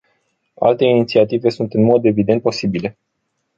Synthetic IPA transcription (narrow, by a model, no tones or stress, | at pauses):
a̰lt̪e̞init̪siat̪ive̞sunt̪ɨnmo̞d̪e̞vid̪e̞nt̪̚po̞sibile̞